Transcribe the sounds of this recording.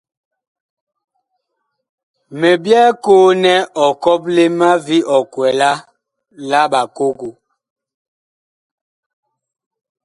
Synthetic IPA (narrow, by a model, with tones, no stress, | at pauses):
me˨bjɛ˦koː˦nɛ˦ʔɔ˨kɔ˦ple˦ma˦vi˦ʔɔ˨kwɛ˨la˦ | la˦ɓa˨ko˦ɡu˨